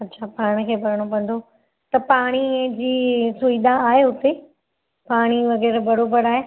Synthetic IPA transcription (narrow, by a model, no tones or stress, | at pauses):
ɐtːɕʰapaːɽ̃əkʰeːbɐɾəɽ̃opɐ̃nd̪ʱo | t̪ɐpaːɽ̃ĩd͡ʑiːsʊid̪aːɦeʊt̪e | paːɽ̃iʋɐɣɛːɾbɐɽobɐɽaːɦe